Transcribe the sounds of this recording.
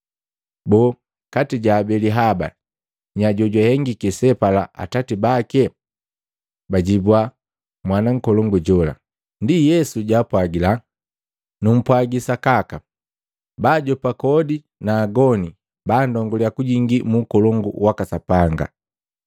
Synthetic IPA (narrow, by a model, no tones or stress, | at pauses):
bɔː | katiɟaːbɛliɦaba̰ | ɲaɟɔɟahɛŋɡikɛsɛpala̰ʔa̰tatibakɛ | baɟibwa | mwanaŋ̩kɔlɔŋɡuɟɔla̰ | ndijɛsuɟaːpwaɡila | num̩pwaɡisakaka | baːɟɔpakɔdi | naːɡɔni | baːndɔŋɡɔliakuɟiŋɡimukɔlɔŋɡṵwakasapaŋɡa̰